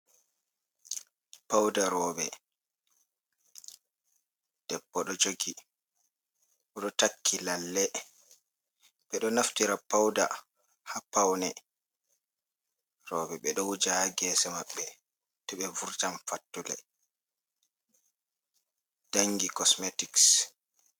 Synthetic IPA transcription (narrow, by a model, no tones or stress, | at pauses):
pawdaɾɔːbɛ | d̥ɛbːɔɗɔd͡ʒoɡi | ʔɔɗɔtakʰːilalːɛ | ɓɛɗɔnaftiɾapawda̰ | hapawnɛ | ɾɔbɛɓɛɗɔwud͡ʒahaɡɛːsɛmaɓːɛ | tɛɓɛvuɾtamfatːulɛ̰ | d̥aŋɡikɔsmetiks